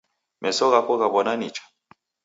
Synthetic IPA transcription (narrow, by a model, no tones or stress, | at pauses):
mʔɛsɔɣakɔɣaβɔnanit͡ʃḁ